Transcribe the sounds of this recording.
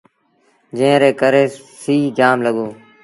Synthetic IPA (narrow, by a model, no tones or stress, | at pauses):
d͡ʒẽːɾeːkəɾeːsiːd͡ʒaːmləɠoː